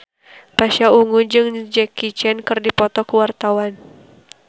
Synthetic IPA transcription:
paʃauŋud͡ʒɨŋd͡ʒɛkit͡ʃɛnkɨrdipɔt̪ɔkəwart̪awan

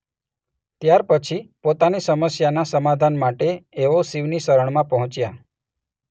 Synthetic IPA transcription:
t̪jaɾpət͡ʃʰipot̪anisəməsjanasəmad̪ʱanmaʈeːʋosiʋnisəɾəɳ̃mãpəɦɔ̃t͡ʃja

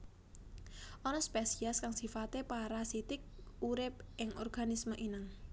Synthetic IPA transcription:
ʔɔnɔspesiaskaŋsifat̪epaɾasit̪ɪk̚uɾɪp̚ʔɪŋʔɔ̰rɡ̥anisməʔinɪŋ

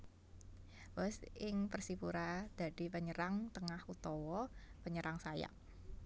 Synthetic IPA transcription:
bɔsɪŋpərsipuɾad̪̥a̤d̪̥i̤pəɲəɾaŋt̪əŋahut̪ɔwɔpəɲəɾaŋsaja̰

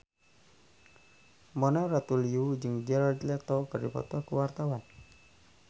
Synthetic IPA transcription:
mɔnarat̪uliud͡ʒɨŋd͡ʒɛlard͡ʒlɛt̪ɔkərdipɔ̰t̪akəwart̪awan

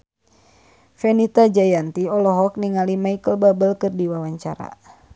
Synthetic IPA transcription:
fɛnit̪ad͡ʒajant̪iɔlɔɦɔk̚niŋalimaikəlbabəlkɨrdiwawaɲt͡ʃa̰ɾa̰

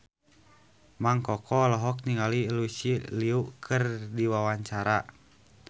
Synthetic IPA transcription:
maŋkɔkɔlɔɦɔk̚niŋalilusiliuʔkʰərdiwawaɲt͡ʃaɾa

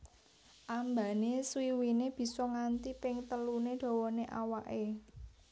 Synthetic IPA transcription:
ʔamba̤neswiwineb̥i̤sɔŋant̪ipɪŋt̪əluneɖ̪̥ɔ̤wɔneʔa̰waʔe

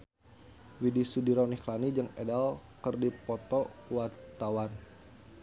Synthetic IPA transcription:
widisudiɾɔniklanid͡ʒɨŋɛdalkərdipɔt̪ɔwart̪awan

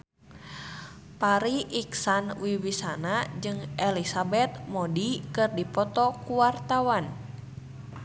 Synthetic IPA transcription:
paɾiʔiksanwiwisanad͡ʒɨŋʔɛlisabɛt̪̚mɔdikɨrdipɔt̪ɔkuwart̪awan

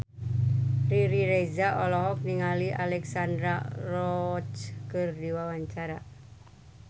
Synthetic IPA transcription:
riɾiɾezaʔɔlɔɦɔk̚niŋalialɛksandɾarɔt͡ʃkɨrdiwawaɲt͡ʃaɾa

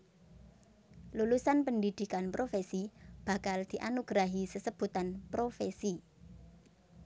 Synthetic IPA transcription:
lulusanpəndid̪̥i̤kanpɾofesib̥ä̤kald̪̥i̤ʔanuɡ̥ɾaɦisəsəb̥ṳt̪anpɾofesi

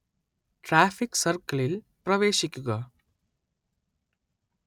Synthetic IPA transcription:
ʈɾaːfɪksɐrkɐɭɪl | pɾɐʋeːʃɪkʲːuɣɐ

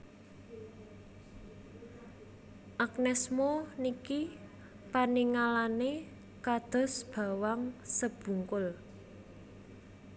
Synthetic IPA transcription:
ʔaknɛsmoniki | paniŋalane | kad̪̥ɔ̤sb̥ä̤waŋsəb̥ṳŋkʊl

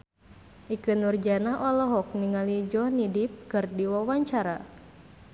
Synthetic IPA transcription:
ʔikɨnurd͡ʒanaʔɔlɔɦɔk̚niŋalid͡ʒɔhnidip̚kɨrdiwawaɲt͡ʃaɾa

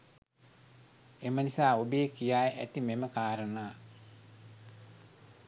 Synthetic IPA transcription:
emənisaːobeːkijaːjeʔæt̪imeməkaːɾənaː

